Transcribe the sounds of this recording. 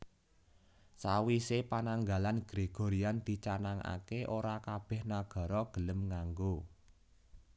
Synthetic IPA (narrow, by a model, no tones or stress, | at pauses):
sawisepanaŋɡalanɡ̥ɾeɡ̥o̤ɾiand̪̥i̤t͡ʃanaŋa̰keʔoɾakab̥ɛ̤hnaɡ̥ɔ̤ɾɔɡ̥ələmŋaŋɡo